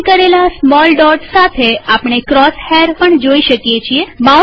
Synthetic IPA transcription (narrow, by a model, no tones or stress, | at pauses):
kəɾelasmɔlɖɔʈsat̪ʰeapɳ̃ekɾɔsheɾpəɳd͡ʒoiʃəkjet͡ʃʰieba